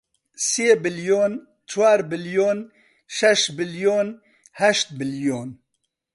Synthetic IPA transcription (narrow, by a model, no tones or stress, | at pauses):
seːbɪljoːn | t͡ʃʰwaːɾbɪljoːn | ʃɛʃbɪljoːn | hɛʃt̪̚bɪljoːn